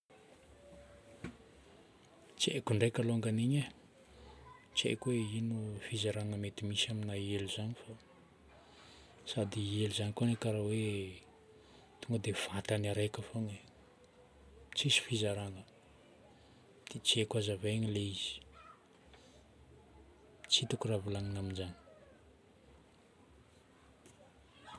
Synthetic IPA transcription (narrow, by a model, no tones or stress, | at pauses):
t͡ʃḛkuɳɖ͡ʐekaloŋɡaniɲa | t͡ʃḛkuweinufizaɾaŋəmet̪imisaminaieluzanifa | sad̪ieluzanikoanekaɾawe | t̪uŋɡəd̪ev̥at̪anaɾekafoŋe | t͡sisi̥fizaɾaŋə | d̪̥et͡siekazaveɲileiz̥i̥ | t͡ʃit̪ukuravulaŋinaminzani̥